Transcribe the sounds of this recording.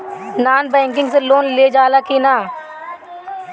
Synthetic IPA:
naːnbɛ̃ːŋkɪ̃ŋɡseloːnleːd͡ʒaːlaːkiːnaː

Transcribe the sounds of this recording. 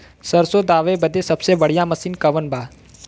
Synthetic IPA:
səɾsod̪aːʋebəd̪esɐbsebəɽ̤ijaməsiːnkɐʋənbʱaː

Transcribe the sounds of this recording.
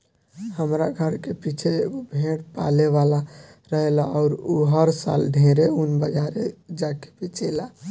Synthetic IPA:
həmɾaɡʱəɾkepit͡ʃʰeɡobʱeʈpa̰leʋalaɾəɦelaɔʊɾuɦəɾsa̰lɖʱẽɾeunbəd͡ʒaɾed͡ʒake̥pet͡ʃela

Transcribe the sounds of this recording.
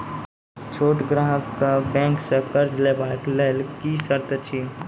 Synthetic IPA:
t͡ʃʰoːʈɡɾaːɦəkːabɛ̃ːŋksekɐɾd͡ʒlebaːklelkisəɾt̪ət͡ʃʰi

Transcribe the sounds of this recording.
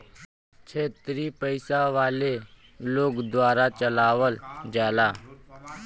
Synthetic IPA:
t͡ʃʰeːt̪ɾipəɪsaʋaːle | loːkd̪ʋaːɾat͡ʃəlaːʋəld͡ʒaːlaː

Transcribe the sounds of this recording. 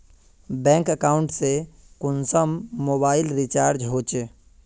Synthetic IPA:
bɛ̃ːŋkəkaːʊɳʈse | kʊnsəmːoːbaːɪlɾit͡ʃaːɾd͡ʒɦoːt͡ʃe

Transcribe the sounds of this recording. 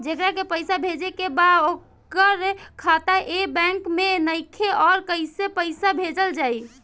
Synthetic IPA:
d͡ʒekɾakepəjsabʱed͡ʒekebaok | əɾkʰat̪aʔebɛ̃ŋkmenəɪkʰeʔɔɾkəɪsepəɪsabʱed͡ʒəld͡ʒai

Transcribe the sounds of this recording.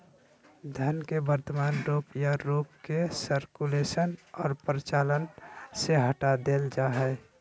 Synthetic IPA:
d̪ʱənkebəɾt̪əmaːnɾopjaɾuːpkesəɾkulesənɔːɾpɾət͡ʃalənseɦəʈad̪eld͡ʒaɦɛ

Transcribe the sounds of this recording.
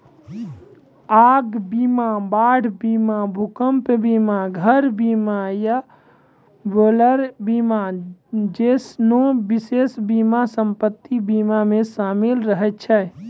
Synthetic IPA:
aɡbimabaɽ̤ʱbimabʱukəmpbimaɡʱəɾbimaja | boləɾbimad͡ʒesnobisesbimasəmpət̪ːibimamesamelɾəɦɛt̪̚t͡ʃʰɛ

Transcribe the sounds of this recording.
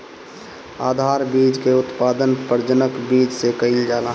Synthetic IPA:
aːd̪ʱaːɾbiːd͡ʒkeʊt̪paːd̪ənpəɾd͡ʒənəkbiːd͡ʒsekəɪld͡ʒaːla

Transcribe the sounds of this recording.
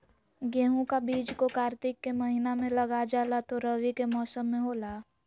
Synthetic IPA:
ɡeːɦũkabiːd͡ʒkokaːɾt̪ɪkːeməɦinamẽləɡad͡ʒaːlat̪oɾəʋikemɔːsəmːẽɦoːlaː

